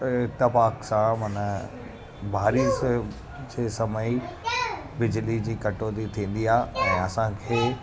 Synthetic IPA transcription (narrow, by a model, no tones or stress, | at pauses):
ɪt̪ɪfaːksãmɐnə | bʱaːɾis | d͡ʑeːsɐməi | bɪd͡ʑlid͡ʑiːkɐʈoːd̪it̪ʰĩːn̆d̪iaːɦɛ̃ːɐsãkʰeː